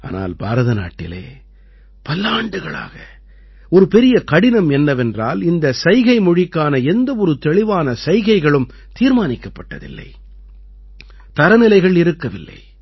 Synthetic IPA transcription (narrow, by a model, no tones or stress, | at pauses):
ʔa̰ːna̰ːlba̰ːɾɐðɐna̰ːʈːɪlḛː | pɐlːaːɳɖɯɣɐɭa̰ːɣɐ | ɔɾɯpɛɾɪjɐkɐɽɪnɐmɛnːɐʋɛndra̰ːlɪnd̪ɐsɐɪɣɐɪmɔɻɪkːaːnɐɛnd̪ɐɔɾɯt̪ɛɭɪʋaːnɐsɐɪɣɐɪɣɐɭɯm | t̪iːɾmaːnɪkːɐpːɐʈːɐ̰ðɪ̰lːɐ̰ɪ | t̪ɐɾɐnɪlɐɪɣɐɭɪɾɯkːɐʋɪlːɐ̰ɪ